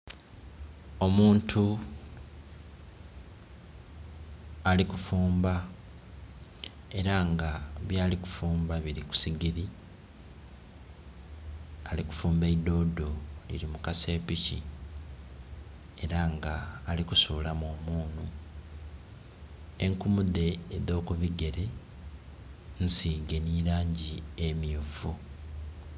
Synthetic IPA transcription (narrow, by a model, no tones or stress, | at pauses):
o̞muːntʰu | alikufuːmba | e̞ɾaŋɡaβjaːliku̥fuːmbaβiɾiku̥siɡiɾi | aliku̥fuːmbeido̞ːdo̞lḭɾimukase̞ːpicḭ | e̞ɾaŋɡaːlikusuːlamoːmuːnu | eŋkumud̪e̞ːdo̞ːkuβiɡe̞ɾe̞ | n̩siːɡe̞niɾaːɲɟiemjufu